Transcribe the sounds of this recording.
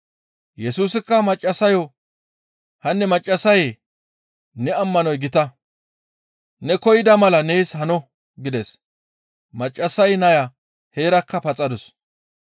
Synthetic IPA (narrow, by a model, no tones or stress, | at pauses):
jɛsuːsɪkːɐmɐt͡ʃʼːɐsɐjɔ | hɐnːɛmɐt͡ʃʼːɐsɐje | nɛɐmːɐnɔjɡɪt̪ɐ | nɛkɔjɪd̪ɐmɐlɐneːshɐnɔ | ɡɪd̪ɛs | mɐt͡ʃʼːɐsɐjnɐjɐ | he̞ːɾɐkːɐpɐt͡sʼɐd̪ʊs